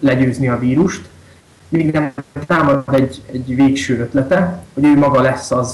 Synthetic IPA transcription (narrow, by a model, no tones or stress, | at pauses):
lɛɟøːzniɒviːɾuʃt̪ | meːɡnɛmt̪aːmɒd̪ɛɟɛɟveːkʃøːøt̪lɛt̪ɛho̞ɟøːmɒɡɒlɛsːɒz